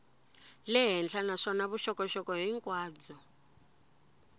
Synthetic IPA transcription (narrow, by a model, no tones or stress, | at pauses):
lɛɦɛnd͡ɮʰanaʂɔnaβuʃɔkɔʃɔkɔɦiŋkʼwaːd͡zɔ